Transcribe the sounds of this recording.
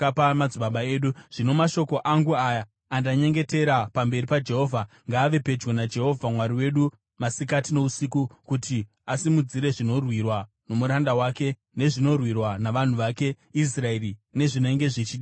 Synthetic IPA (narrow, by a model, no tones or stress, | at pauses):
apamad͡zuɓaɓae̞ːɗuʐ̥ino̞maʃo̞ko̞ʔaŋɡuaja | andaɲe̞ŋɡe̞te̞ɾapambe̞ɾipad͡ʒe̞ɦo̞ːvʱa | ŋɡaːʋe̞pe̞d͡ʒɡonad͡ʒe̞ɦo̞vʱamwaɾiwe̞ɗu | masikatino̞usikukuti | asimud͡ziɾe̞ʐino̞rwirwa | no̞muɾandawaːke̞ | ne̞ʐino̞rwirwanaʋan̤uʋake̞ | is̬raerine̞ʐinoŋɡe̞ʐit͡ʃiɗi